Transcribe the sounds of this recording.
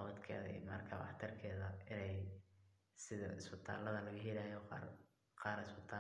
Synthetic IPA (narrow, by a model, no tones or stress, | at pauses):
ɑwɐd̪kʰɛ̰ːðɛ̰jmɐ̰rkʰɐbɑ̰ħt̪ʰɐrkʰɛːðɐɪnɛj | sɪðɐ̰ɪsbɪt̪ʰa̰ːlːɐðɐlɐɣʊɦɪlaːjɔqɑr | qɑːɾɪspɪt̪ʰaː